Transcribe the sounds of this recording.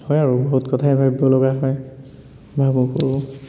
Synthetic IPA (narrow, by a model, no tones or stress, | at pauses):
hɔjaɹuboɦutkɔtʰajbʱabjɔlɔɡaɦɔj | bʱabukɔɹ